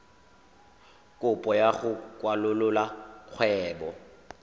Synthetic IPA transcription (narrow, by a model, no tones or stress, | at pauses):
kʼʊpʼɔjaχʊkʼwalʊlʊlaq͡χʰwɛːbɔ